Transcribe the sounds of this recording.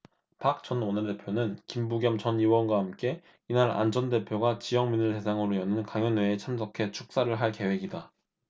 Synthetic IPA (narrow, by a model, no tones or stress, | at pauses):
pak̚t͡ɕ͈ʌnonɯde̞pʰjonɯnkimbuɡjʌmt͡ɕʌniwʌnɡwaɦamk͈e̞ | inaɾa̰nd͡ʑʌnde̞pʰjoɡat͡ɕijʌŋminɯɭte̞sʰaŋɯɾojʌnɯnkaŋjʌnɦwe̞ːt͡ɕʰamsʰʌkʰe̞t͡ɕʰu̥k̚s͈aɾɯɭɦaɭke̞we̞ɡida